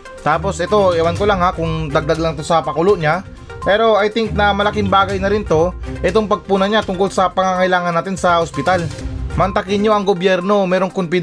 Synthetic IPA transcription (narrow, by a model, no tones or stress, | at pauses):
t̪aːpo̞sɛt̪o̞ɛwɐnkolɐŋhakʊŋd̪ɐɡ̚d̪aɡlɐŋt̪osɐpɐkuloʔɲa | pɛːɾo̞ʔɐjt̪ɪŋk̚nɐmɐlɐkɪŋbaːɡɐjnɐɾɪnt̪o̞ʔɛt̪o̞ŋpɐɡ̚puːnɐɲat̪ʊŋkolsɐpɐŋaŋɐɪlaːŋɐnaːt̪ɪnsɐhospɪt̪almɐnt̪ɐkɪnɲo̞ʔɐŋɡobjɛɾno̞mɛːɾo̞ŋkonpɪd̪